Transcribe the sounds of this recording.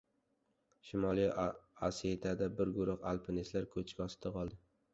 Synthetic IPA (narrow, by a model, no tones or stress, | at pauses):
ʃɪmɒlijaset̪ʰad̪abɪɾɡʊɾʊχa̰lˠpʰɪnislaɾkʰɵt͡ʃʰkʲɒsɪ̥t̪ʰaqʰɒlˠd̪ɪ